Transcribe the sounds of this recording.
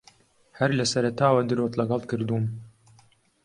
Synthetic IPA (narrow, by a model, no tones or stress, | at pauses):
hɐɾlɐsɐɾɐt̪aːwɐd̪ɨɾoːt̪lɐɡɑlˠkɨɾd̪uːm